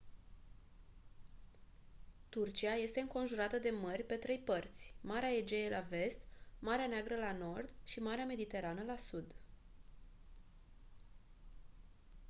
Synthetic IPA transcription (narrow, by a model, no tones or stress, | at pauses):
t̪urt͡ʃiaje̞st̪e̞ɨŋko̞nʒuɾat̪əd̪e̞mərʲpe̞t̪ɾe̞jpərt̪sʲmaɾeaed͡ʒejelave̞st̪maɾeaneaɡɾəlano̞rd̪ʃimaɾeame̞d̪it̪e̞ɾanəlasud̪